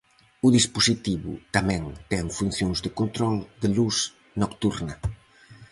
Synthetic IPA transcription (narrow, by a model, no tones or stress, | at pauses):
ʊðispusit̪iβʊ̰t̪amɛ̃ŋt̪ɛŋfun̟θjõŋzðɪkont̪ɾɔld̪ɪlus | nokt̪uɾnɐ